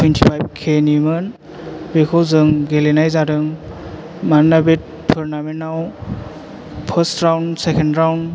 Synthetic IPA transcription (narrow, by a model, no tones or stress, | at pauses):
pʰintʰipʰajb̚kʰenimɯn | bekʰɔwzɯŋɡelenajzaɾɯŋ | manabet̚ | pʰɯɾnamenaw | pʰəstɾawnsekʰendɾawn